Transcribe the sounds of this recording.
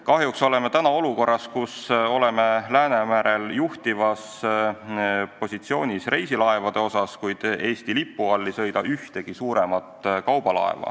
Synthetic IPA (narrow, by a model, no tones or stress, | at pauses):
kɑɦjukso̞le̞met̪ænɑo̞luko̞rːɑskuso̞lemelæːnemæɾe̞ljuht̪ivɑs | po̞sʲit̪sio̞ːnʲisre̞jsilɑe̞vɑd̪̥e̞o̞sɑskujd̪̥e̞ːst̪ilipːˑuɑlːisɤ̞jd̪ɑʔyht̪e̞ɡ̥isuːɾe̞mɑt̪ˑkɑwb̥ɑlɑ̰ḛvɑ̰